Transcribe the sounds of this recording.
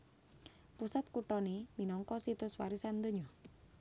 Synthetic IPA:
pusat̪̚kuʈɔneminɔŋkɔsit̪ʊswa̰ɾisand̪əɲɔ

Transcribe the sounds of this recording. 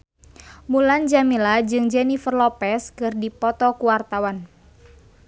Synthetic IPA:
muland͡ʒamilad͡ʒɨŋd͡ʒɛnifərlɔpɛskɨrdipɔt̪ɔkuwart̪awan

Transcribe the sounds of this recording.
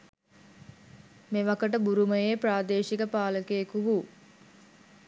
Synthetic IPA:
meʋɐkəʈəbuɾuməjepraːd̪eːʃikəpaːləkeːkuʋu

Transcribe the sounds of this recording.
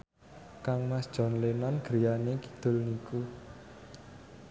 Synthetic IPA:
kaŋmasd̥ʒ̥ɔ̤nlenanɡ̥ɾijanekid̪̥ʊ̤lniku

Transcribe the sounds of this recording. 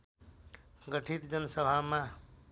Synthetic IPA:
ɡəʈʰit̪d͡ʒənsəbʱamã

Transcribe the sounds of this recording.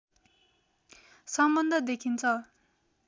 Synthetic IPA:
sʌmbʌnd̪ʌd̪ekʰint͡sʰʌ

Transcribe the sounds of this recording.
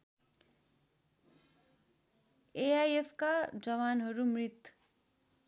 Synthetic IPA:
eajepʰkad͡zʌβanɦʌɾumrit̪

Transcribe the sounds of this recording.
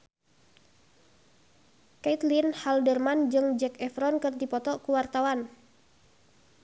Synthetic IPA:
kɛit̪linhaldərmand͡ʒɨŋd͡ʒɛkɛfɾɔnkɨrdipɔt̪ɔkuwart̪awan

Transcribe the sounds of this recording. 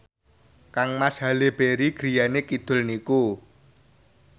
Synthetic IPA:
kaŋmasɦaleb̥eɾiɡ̥ɾi̤janekid̪̥ʊ̤lniku

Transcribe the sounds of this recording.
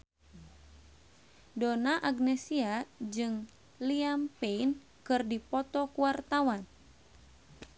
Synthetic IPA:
donaʔaɡnɛsiad͡ʒɨŋ | liampein | kɨrdipɔt̪ɔkuwart̪awan

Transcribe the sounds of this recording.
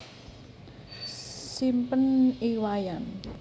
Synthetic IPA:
simpəniwajan

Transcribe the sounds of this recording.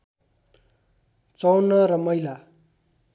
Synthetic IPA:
t͡sʌwnʌɾʌmʌjla

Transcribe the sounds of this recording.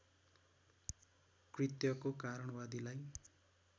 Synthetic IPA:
krit̪jʌkokaɾʌɽ̃ʌwad̪ilaj

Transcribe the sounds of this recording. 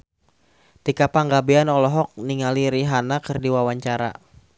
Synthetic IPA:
t̪ikapaŋɡabeanɔlɔɦɔk̚niŋaliɾiɦanakɨrdiwawaɲt͡ʃaɾa̰

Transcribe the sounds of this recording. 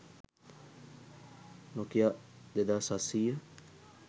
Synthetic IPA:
nokiad̪ed̪asasia

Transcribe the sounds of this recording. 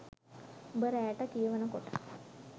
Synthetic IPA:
bəɾæjʈəkijəʋənəkoʈə̥

